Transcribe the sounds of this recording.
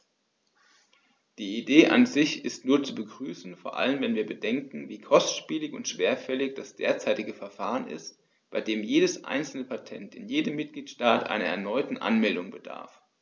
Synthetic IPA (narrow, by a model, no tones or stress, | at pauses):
d̥iːideːʔa̰nzɪçɪstnuːɐt͡subəɡʁyːsn̩foːɐʔa̰lənvɛnviːɐbədɛŋkŋ̩viːkʰɔstʃpiːlɪçʊ̰ntʃv̥eːɐfɛlɪçd̥asd̥eːɐt͡saɪtɪɡəfɛɐfaːʁənɪ̰st | b̥aɪdeːmjeːdəsʔa̰ɪnt͡sl̩nəpʰatʰɛntɪnjeːdəmːɪt̚ɡ̥liːtʃtaːtʔa̰ɪnɐɛɐnɔʏtn̩ʔa̰nmɛldʊŋbəd̥a̰ɐf